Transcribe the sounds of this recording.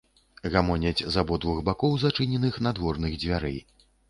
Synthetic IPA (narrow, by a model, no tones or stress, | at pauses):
ɣamɔnʲɐd͡zʲzabɔd̪vuɣbakɔwzat͡ʂɨnʲɛnɨxnad̪vɔrnɨɣd͡zʲvʲaɾɨ̰